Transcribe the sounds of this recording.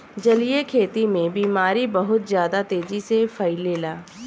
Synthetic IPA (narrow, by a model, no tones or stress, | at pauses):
d͡ʒɐlijekʰeːt̪imẽbiːmaːɾibɐɦʊt̪zjaːd̪at̪eːd͡ʒisefʰɐɪleːlaː